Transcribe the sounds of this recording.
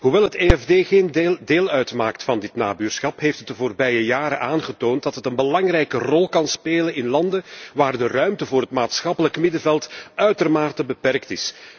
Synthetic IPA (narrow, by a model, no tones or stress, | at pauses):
ɦuʋɛlˠɦəteːɛvdeːɣeːndeːlˠœɥtmaːktfɑndɪtna̰ːbyːrsxɑpɦeːftət̚dəvoːrbɛjəjaːɾəʔaːnχətoːnt̚dɑtɦətənbəlɑŋrɛjkərɔlˠkɑnspeːlənɪnlɑndəʋaːrdərœɥmtəvʊːrɦətmaːtsxɑpələkmɪdəvɛlˠtœɥtərmaːrtəbəpɛrktɪs